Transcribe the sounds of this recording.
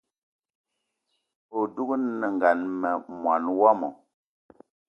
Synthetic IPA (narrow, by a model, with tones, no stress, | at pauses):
o˨du˦ku˦nnə˨ŋ˨ɡa˨nmɛ˨mwa˨nwa˦mɔ˨